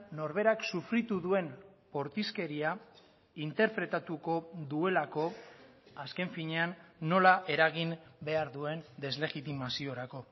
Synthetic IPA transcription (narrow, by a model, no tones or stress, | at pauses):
no̞ɾβe̞ɾaksufɾit̪uðue̞npo̞ɾt̪iske̞ɾia | int̪e̞ɾpɾe̞t̪at̪uko̞ðue̞lako̞ | aske̞ɱfiɲe̞anːo̞laʔe̞ɾaɣimbe̞aɾðue̞nd̪e̞zle̞ɣit̪imasio̞ɾako̞